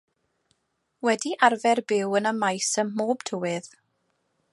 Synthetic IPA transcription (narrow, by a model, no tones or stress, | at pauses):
wɛdiʔarvɛrbɪwənəmajsəmːoːb̥tʰəwɪð̥